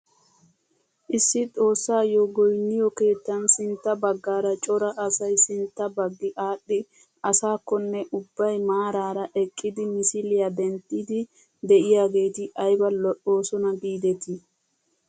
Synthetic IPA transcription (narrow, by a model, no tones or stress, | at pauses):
ʔɪsːɪt̪ʼo̞ːsːaːjɔɡɔjnːɪjɔke̞ːt̪ːɐnsɪnt̪ːɐbɐɡːaːɾɐt͡ʃʼɔɾɐʔɐsɐjsɪnt̪ːɐbɐɡːɪʔaːɗːɪ | ɐsaːkːɔnːɛʔʊbːɐjmaːɾaːɾɐʔɛkʼːɪd̪ɪmɪsɪlɪjad̪ɛnt̪ʼːɪd̪ɪ | d̪ɛʔɪjaːɡe̞ːt̪ɪʔɐjbɐlɔʔo̞ːsɔnɐɡiːd̪ɛt̪ɪ